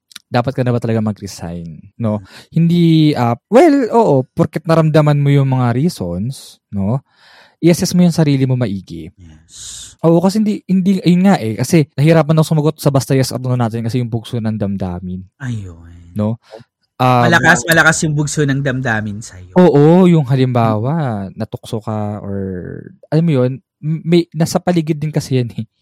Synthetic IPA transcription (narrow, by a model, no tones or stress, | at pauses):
d̪aːpɐt̪̚kɐnɐbɐt̪ɐlɐɡamɐɡɾɪsa̰jnːo̞hɪnd̪iʔɐːwɛlʔo̞ːʔo̞poɾkɛt̪̚nɐɾɐmd̪ɐmɐnmojʊŋmɐŋaɾiːso̞ns | no̞ | ʔɪʔɐsɛsmojʊŋsɐɾiːlɪmo̞mɐʔiːɡɛ̰ɛ | sʔoːʔo̞kɐs̬ɛhɪnd̪ihɪnd̪iʔɐjʊnŋaʔɛkɐsɛnɐhɪɾaːp̬ɐnɐsʊmɐɡot̪̚sɐbɐst̪ɐjɐsʔɐ̰t̪ʊnonaːt̪ɪnkɐsɛjʊŋbʊɡsonɐŋd̪ɐmd̪a̰ːmɪnɐjoːo̞ | ʔaɐlɐkasmɐlɐkasjʊŋbʊɡsonɐŋd̪ɐmd̪aːmɪnsɐjoʔoːʔojʊŋɦɐlɪmbaːwɐnɐt̪ʊk̚sokɐʔo̰ɹʔɐlamːojo̞n | mɐjnasɐpɐliɡɪd̪̚ːɪnkɐsɛjɐnɛ